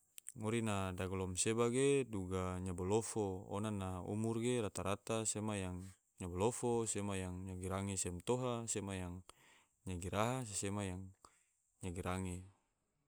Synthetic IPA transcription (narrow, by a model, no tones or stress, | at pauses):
ŋoɾinadaɡɔlɔmsebaɡeduɡaɲabolofoo̰nanaṵmurɡeɾat̪aɾat̪asemajaŋ | ɲabolofosemajaŋɲaɡiɾaŋesɛmt̪oɦasemajaŋ | ɲaɡiɾʔaɦas̬esemajaŋ | ɲaɡiɾaŋe